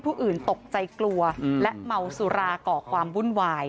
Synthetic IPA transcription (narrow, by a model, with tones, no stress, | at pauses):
pʰuː˥˩ʔɯː˨˩nt̪o˨˩k̚t͡ɕa˧jklu˧ɐlɛ˦˥ʔma˧wsu˧˦ɾaː˧kɔː˨˩kʰwaː˧mwu˥˩nwaː˧j